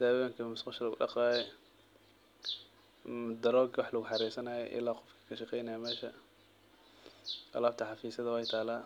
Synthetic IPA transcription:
d̪̥aːwɐŋkʰɐmʊsqɑʃɐlɐɣʊ̰ɗɑ̰qɑːjɛ | md̪ɐɾɔːɡwɑħlɐɣʊħɑɾiːsɐnaːjɔʔɪ̰laːqɔfkʰɐ̥kʰɐʃɑqɛjnɐjamɛːʃɐ | ɐ̰laːb̚t̪ʰɐħɑfiːsɐðɐwɛjt̪ʰaːlaː

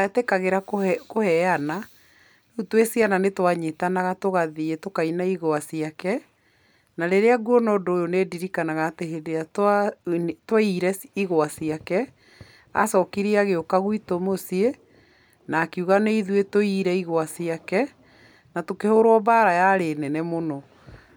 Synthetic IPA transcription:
atekaɣeɾakokohɛana | utwesiananetwaɲetanaɣatoɣaðietokainaiɣoasiakɛ | naɾeɾeaɡuɔnɔdoːjonediɾikanaɣaːtehedeatatwaiɾɛiɣoasiakɛ | a̰sɔkiɾiaɣeokaɣwitomosie | naːkiuɣaneiðwetoiɾɛiɣoasiakɛ | natokehoɾwɔbaɾajaɾenɛnɛmonɔ

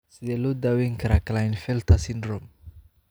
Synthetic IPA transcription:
sɪðɛːlɔːd̪aːwɛŋkʰɐɾakʰlaɪnfɛlt̪ʰɐsɪnd̪ɾɔm

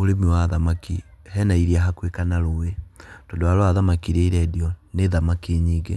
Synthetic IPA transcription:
oɾemiwaðamakihɛnaiɾiaɦakwekanaɾowetɔndɔaɾoaðamakiɾeiɾɛdiɔneðamakeɲiːɡḛ

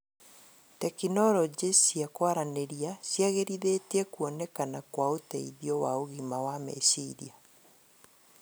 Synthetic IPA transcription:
tɛkinɔɾɔd͡ʒesiakwaɾaneɾiasjaɣeɾiðetɛkuɔnɛkanakwaotɛiðiɔwaoɣimawamɛ̰siɾḭa

